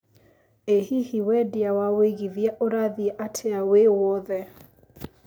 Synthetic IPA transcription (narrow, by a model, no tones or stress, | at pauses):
ehihiwɛdjawaweɣiðjaʔoɾaðiɛʔatʰeawewɔðɛ